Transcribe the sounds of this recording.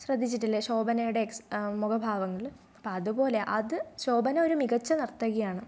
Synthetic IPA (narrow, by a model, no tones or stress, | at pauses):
ɕrɐd̪ʱːit͡ɕːiʈːilːeɕo̞ːbɐnɐjuɽeksmukɐbʱaːʋɐŋːɐɭ | ɐpːɐɐðubo̞ːle̞ʔɐðɨɕo̞ːbɐnɐoɾumiɣɐt͡ɕːɐnɐrt̪ːɐɣɐjaːɳɨ